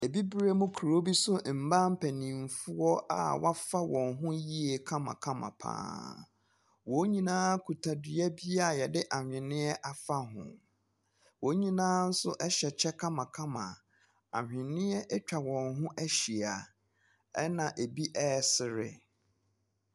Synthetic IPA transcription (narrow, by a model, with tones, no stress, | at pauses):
e˨bi˦bɾe˦mʊ̃˦kʰɾo˦bi˦sʊ˦˨m̩˨bã˦m̩˦pʰæ˨nĩ˨m˨fʊ˦ɔ˦ʔa̰˨wʔa˦fa˦wɔ̃˨nɦʊ̃˦ji˦e˨kʰã˦mã̰˨kʰã˦mã̰˨pʰã̰ː˦ | wo˨˦ɲĩ˦nãː˦kʰu˨tʰa˨di˨ɛ˦bi˦a˦˨jɛ˨dɪ˦ʔa˨hᶣɪ̃˨nɪ̃˦ɛ˦ʔa˨fa˦ɦʊ̰̃˨ | wo˨˦ɲĩ˦nãː˦n̩˦sʊ˦ʔɛ˦ɕɛ˨t͡ɕʰɛ˦kʰã˦mã˨kʰã˦mã̰˨ | a̰˨hᶣɪ̃˨nɪ̃˦ɛ˦ʔɛ˦t͡ɕᶣa˨wɔ̃˨nɦʊ̃˦ʔæ˦ɕi˨a˨ | ɛ˦nã˨ʔe˨bi˦ʔɛ˦˨sɪ˨ɾɪ̰˦